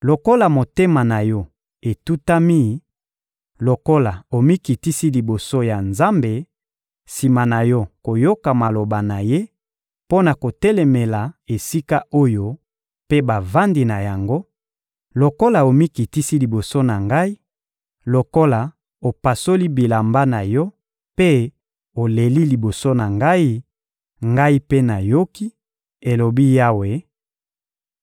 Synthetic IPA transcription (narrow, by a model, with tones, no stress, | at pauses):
lo˨ko˦la˨mo˨te˦ma˨na˨jɔ˦ | e˨tu˦ta˦mi˦˨ | lo˨ko˦la˨o˨mi˦ki˨ti˦si˦li˨bo˨so˦ja˨nza˦mbe˨ | si˨ma˨na˨jɔ˦ko˨jo˦ka˨ma˨lo˨ba˨na˨je˦ | po˦na˨ko˨te˦le˨me˨la˨e˨si˦ka˦o˦jo˦ | pe˦ba˨va˦ndi˨na˨ja˨ŋɡo˦ | lo˨ko˦la˨o˨mi˦ki˨ti˦si˦li˨bo˨so˦na˨ŋɡa˦i˦ | lo˨ko˦la˨ | o˨pa˨so˦li˦bi˨la˨mba˦na˨jɔ˦ | pe˦ | o˨le˨li˦li˨bo˨so˦na˨ŋɡa˦i˦ | ŋɡa˦i˦pe˦na˨jo˦ki˦ | e˨lo˨bi˦ja˦we˨